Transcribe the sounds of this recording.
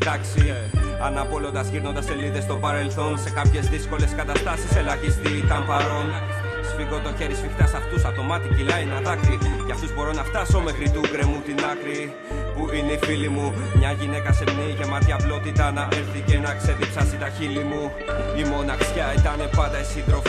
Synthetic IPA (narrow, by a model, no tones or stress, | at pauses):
d̪ɐksi | ɐnɐpo̞lo̞nd̪ɐsçiɾno̞nd̪ɐse̞liðest̪o̞pɐɾe̞lθo̞nse̞kɐpçe̞zðisko̞le̞skɐt̪ɐst̪ɐsiselɐʝist̪iit̪ɐmpɐɾo̞n | sfiɣo̞t̪oçe̞ɾisfixt̪ɐsɐft̪usɐt̪o̞mɐt̪icilɐinɐðɐkɾiceɐft̪uzbo̞ɾo̞nɐft̪ɐso̞me̞xɾit̪uɡɾemut̪inɐkɾi | puineifilimu | mɲɐʝine̞kɐse̞mniʝe̞mɐt̪çɐplo̞t̪it̪ɐnɐʔeɾθice̞nɐkse̞ðipsɐsit̪ɐçilimu | imo̞nɐksçɐit̪ɐne̞pɐnd̪ɐisiðɾof